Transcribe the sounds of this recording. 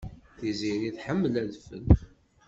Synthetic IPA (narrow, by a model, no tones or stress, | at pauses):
θiziɾiθħəmːəlæðfə̰l